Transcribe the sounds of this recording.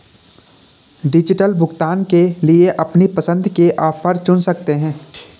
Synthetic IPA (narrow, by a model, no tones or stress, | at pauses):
ɖɪd͡ʒɪʈəlbʱʊɡt̪aːnkelieʔɐpnipəsə̃nd̪ʱkeʔaːpʰəɾt͡ʃʊnsɐk̚t̪eɦɛ̃ː